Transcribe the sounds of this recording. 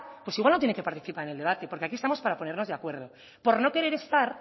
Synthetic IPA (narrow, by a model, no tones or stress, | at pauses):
pwe̞siɣwalnot̪jeneke̞paɾt̪iθipaɾe̞ne̞ld̪eat̪e̞po̞ɾkeakiest̪amo̞spaɾapo̞ne̞ɾno̞zðakwe̞ɾð̞o̞ | po̞ɾno̞ke̞ɾe̞ɾe̞st̪aɾ